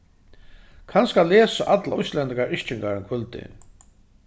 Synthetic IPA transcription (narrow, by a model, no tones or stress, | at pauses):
kʰanskalɛːsaʔat̪laɔjslɛnt̪ɪkaɾɪʃt͡ʃɪŋkaɾɪnkʰvʏlt̪ɪ̰